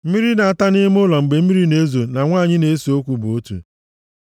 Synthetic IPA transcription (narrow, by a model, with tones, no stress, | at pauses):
m̩˦mi˦ɾi˦na˨a˦ta˦nɪ˦m˦ʊ˦lɔ˨ŋ͡m̩˨ɡ͡be˨m̩˦mi˦ɾi˦ne˦zo˨na˨ŋʷaː˦˨ɲɪ˦ne˨˦so˦kʷu˨bo˦tṵ˨